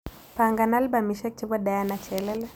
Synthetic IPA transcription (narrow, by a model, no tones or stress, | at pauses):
paŋɡanalbamiʃɛk̚t͡ʃibɔdajanat͡ʃɛlɛlɛ